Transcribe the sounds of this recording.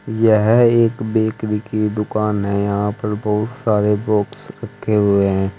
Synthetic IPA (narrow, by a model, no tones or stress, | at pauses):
jɛɦeːkbeːkɾikid̪ʊkaːnɦɛ̃jɐɦãpɐɾbɐɦʊt̪saːɾebɔːksɾɐkʰːeɦʊeɦɛ̃ː